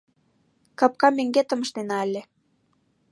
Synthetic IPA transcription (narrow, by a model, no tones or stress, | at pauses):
kɑp̚kɑmeŋɡet̪ə̆mə̆ʃt̪enɑəlʲe